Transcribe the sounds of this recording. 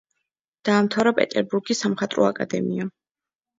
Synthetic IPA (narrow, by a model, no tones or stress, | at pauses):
d̪̥aːmt̪ʰavɾapʼɛ̰t̪ʼɛɾbuɾɡisamχat̪ʼɾɔ̰a̰kʼa̰d̪ɛmia